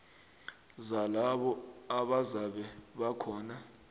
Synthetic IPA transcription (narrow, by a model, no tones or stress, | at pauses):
zalaɓɔaɓazaɓɛɓakʰɔːna